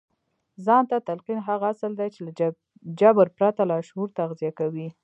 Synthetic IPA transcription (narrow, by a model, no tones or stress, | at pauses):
zɑnt̪at̪alqinɦaɣasəld̪ajt͡ʃela | d͡ʒabəɾpɾat̪alɑʃhuɾt̪aɣzijakawi